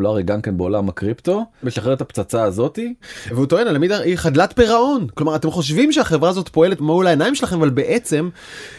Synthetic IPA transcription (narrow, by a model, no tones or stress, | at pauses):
laʁiɡamkenbeolamakʁipt̪o̞beʃaχeʁet̪apt͡sat͡saːzo̞t̪iveut̪o̞e̞nalamidaiχad̪lat̪piʁao̞nklomaʁat̪e̞mχo̞ʃ̬vimʃeaχe̞vʁaazo̞t̪po̞e̞le̞tmaulaenaimʃelaχe̞mavalbe̞ʔet͡se̞m